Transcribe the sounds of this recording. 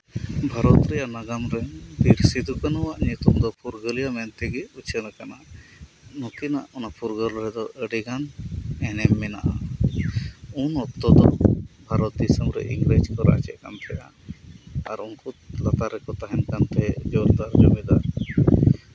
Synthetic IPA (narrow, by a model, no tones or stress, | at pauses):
bʱaɾɔt̪ɾɛjanaɡamɾɛb̪iɾsid̪ukanɔwaʔɲut̪umd̪ɔpuɾɡəlijamɛnt̪ɛɡɛut͡ʃʰənakana | nɔkina̰ʔɔnapuɾɡəlɾɛd̪ɔʔəɖiɡanɛnɛmːɛna̰ʔa | unɔt̪ːɔd̪ɔ̰bʱaɾɔt̪̚d̪isəmɾɛ̰ʔḭŋɡɾed͡ʒkɔɾa̰t͡ʃɛʔ̪kanp̪ɛja | aɾunkulat̪aɾɛkɔt̪aɦɛnkant̪ɛɛd͡ʒɔɾd̪aɾd͡ʒumid̪aɾ